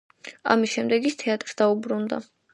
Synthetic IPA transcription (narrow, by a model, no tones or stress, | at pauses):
a̰misʃɛmd̪ɛɡist̪ʰɛat̪ʼɾsd̪aubɾund̪a̰